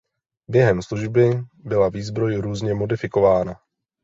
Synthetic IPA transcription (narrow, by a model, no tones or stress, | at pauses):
bjɛɦɛmsluʒbɪbɪlaviːzbɾo̞jɾuːzɲɛmo̞dɪfɪko̞vaːna